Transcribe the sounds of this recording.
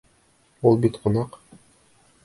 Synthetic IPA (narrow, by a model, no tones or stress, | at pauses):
ulˠbit̪qʰŏnɑq